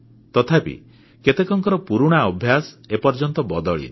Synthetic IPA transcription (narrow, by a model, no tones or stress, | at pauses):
t̪ɔt̪ʰapḭ | ket̪ekɔŋkɔɾɔpuɾuɽ̃aɔbʱjasepɔɾd͡ʒɔnt̪ɔbɔd̪ɔɭḭn